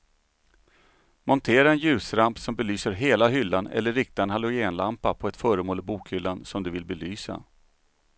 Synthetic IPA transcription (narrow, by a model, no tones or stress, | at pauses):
mɔnt̪ʰeːɾaɛnjʉ̟ːsɾampsɔmbɛlyːsəɾɦeːlaɦʏlːanɛ̰lːəɾɪk̚t̪aɛnɦalʊɡɪeːnlampapʰɔɛt̪fœːɾəmoːlɪbuːkhʏlːansɔmd̪ɵvɪlbɛlyːsa̰